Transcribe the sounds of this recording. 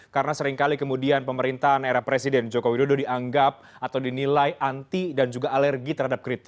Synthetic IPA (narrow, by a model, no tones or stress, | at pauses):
kaɾənasəɾiŋkalikəmudianpəməɾint̪aɦaneɾahpɾesidɛnd͡ʒokowidododiaŋɡap̚at̪awdinilajʔant̪idand͡ʒuɡaʔːlɛrɡit̪ərɦadap̚kɾit̪ɪ̥